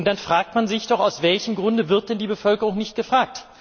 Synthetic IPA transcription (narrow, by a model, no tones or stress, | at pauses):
ntd̥anfʁ̥aːk̚tmanzɪçd̥ɔχaʊsv̥ɛlçəmɡʁʊndəvɪɐt̚d̥ɛndiːbəfœlkəʁ̞ʊŋnɪçt̚ɡ̥əfʁ̥aːk̚t